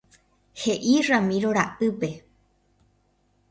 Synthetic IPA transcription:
heʔiramĩɾoɾaʔɨpe

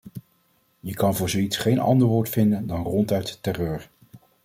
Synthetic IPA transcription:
jəkɑnvʊːɹzowitsχejnɑ̰ndəɹʋʊːɹtfɪndəndɑnrɔntœɥttɛrøːɹ

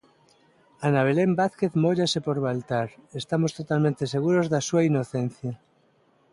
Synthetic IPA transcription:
anaβ̞elembaθkeθmoʎasepoɾβalt̪aɾest̪amost̪ot̪almẽnt̪eseɣ̞uɾozðasuainoθen̟θja

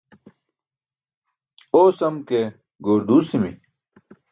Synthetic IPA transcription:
oːsɐmke | ɡoːɾd̪uːsimḭ

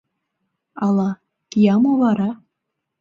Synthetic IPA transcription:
ɑlˠɑ | kijɑmovɑɾɑ

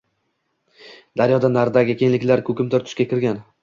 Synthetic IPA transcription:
d̪̥aɾjɒd̪anaɾd̪aɡʲɪkʰʲe̞nlɪkʲlaɾkʲʰɵkʲɪmt̪ɪɾt̪ʰʊ̥ʃkʲakʲɪɾɡʲan

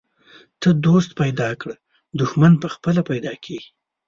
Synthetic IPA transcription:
t̪əd̪ost̪̚pajd̪ɑkɽə | d̪ʊxmanpəxpəlapajd̪ɑkʰeɡi̥

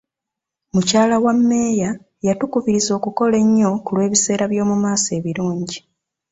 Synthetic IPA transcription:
mucaːlawamːe̞ːja | jatukuviɾizo̞ːkuko̞le̞ɲːo̞kulwe̞ːβise̞ːɾaβjo̞ːmumaːse̞ːβiɾuːɲɟi

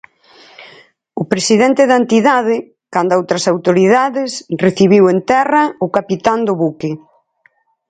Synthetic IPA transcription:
ʊpɾesiðɛnt̪ɪðɐent̪iðaðɪ | kand̪ʊowt̪ɾɐsawt̪oɾiðaðɪsreθiβiwent̪ɛrɐʊkapit̪and̪ʊβukɪ

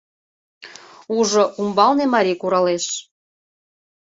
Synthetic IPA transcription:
uʒoʔumbɑlnemɑɾʲijkuɾɑleʃ

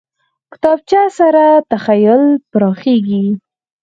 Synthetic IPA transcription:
kɪ̥t̪ɑb̚t͡ʃasaɾat̪axajʊlpɾɑxeɡi

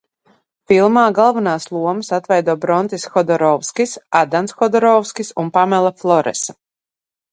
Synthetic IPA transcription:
filˠmaːɡalˠvanaːslˠuɔmɨsat̪vɛjd̪uɔbɾɔnt̪isxɔd̪ɔɾɔwskisad̪ansxɔd̪ɔɾɔwskisunpamɛlˠaflˠɔɾɛ̰sḁ

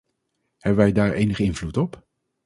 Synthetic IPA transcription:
hɛbəʋɛjdaːɹejnəχəɪnvlutɔp

